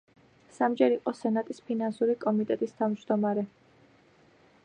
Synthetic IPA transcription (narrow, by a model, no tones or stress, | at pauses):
samd͡ʒɛɾiqʼɔsɛnat̪ʼispʰinansuɾikʼɔmit̪ʼɛt̪ʼist̪ʰavmd͡ʒd̪ɔmaɾɛ